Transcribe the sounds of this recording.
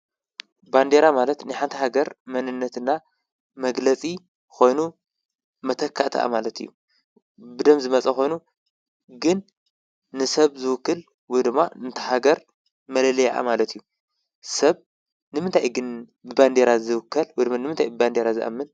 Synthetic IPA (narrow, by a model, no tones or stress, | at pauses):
band̪eɾamalɐt̪nɨħant̪ʰɐhaɡɐɾmɐnɨnːɐt̪ɨnːa | mɐɡlɐt͡sʼi | ko̞jnu | mɐt̪ʰɐkʰːa̰ʔt̪ʰʔa̰malɐt̪ʰɨjːu | bɨd̪ɐmzɨmɐt͡sʼɐxo̞jnu | ɡɨnː | ɨsɐβzɨwʊkːɨl | wɔjd̪ɨmːaɨnt̪ʰɐ̥haɡɐɾ | mɐlɐlɐjʔa̰malɐt̪ʰɨjːu | sɐβ | nɨmɨnt̪ʰajɡɨn | bɨband̪eɾazɨwkːɐlwjd̪ɨmanɨmɨnt̪ʰajbɨband̪eɾazɨʔɐ̰mːɨn